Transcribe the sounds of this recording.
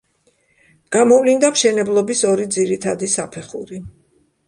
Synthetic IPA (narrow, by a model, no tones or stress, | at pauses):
ɡ̥amɔvlind̪amʃɛnɛblˠɔbisɔɾid̪ziɾit̪ʰad̪isapʰɛχṵɾi